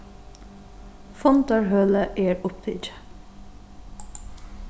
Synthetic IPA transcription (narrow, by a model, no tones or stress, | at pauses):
fɔnt̪ɑɹɦœːləʔeːɹʊpt̪ʰɪ̰d͡ʒ